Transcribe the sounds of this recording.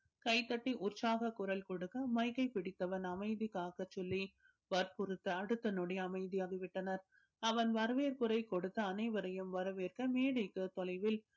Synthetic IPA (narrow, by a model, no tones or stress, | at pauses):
kɐɪt̪ːɐʈːiʔʊrt͡ʃaːɣɐkʊɾɐlkɔɽɯkːɐmɐɪkɐɪpɪɽɪt̪ːɐʋɐnɐmɐɪðikaːɣɐt͡ʃːɔlːi | ʋɐɾpʊɾɯt̪ːɐɐɽɯt̪ːɐnɔɽɐjɐːmɐɪðijaːɣɐʋɪʈːɐnɐɾ | ɐʋɐnʋɐɾɯʋeːɾkɯɾɐɪkɔɽɯt̪ːɐɐnɐɪʋɐɾɐjɯmʋɐɾɐʋeːɾkɯmeːɽɐɪkːɯt̪ɔlɐɪʋɪl